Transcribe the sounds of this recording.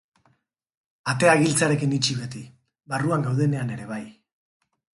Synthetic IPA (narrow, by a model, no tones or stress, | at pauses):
at̪e̞aɣilt͡saɾe̞kinit͡ʃiβet̪i | βaruaŋɡawð̞e̞ne̞ane̞ɾe̞βaj